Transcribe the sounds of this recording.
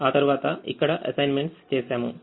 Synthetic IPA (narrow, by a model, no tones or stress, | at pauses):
aːt̪ɐɾʋaːt̪ɐḭkːɐɽɐʔɐ̰sɐjnmeɳʈst͡ɕeːsjaːmu